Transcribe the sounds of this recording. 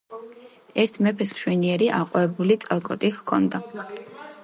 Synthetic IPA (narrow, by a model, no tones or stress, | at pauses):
ɛɾt̪ʰmɛpʰɛskʃwɛniɛɾiʔaqʼɔɛbulit̪sʼalˠkʼɔt̪ʼihkʰɔ̰nd̪a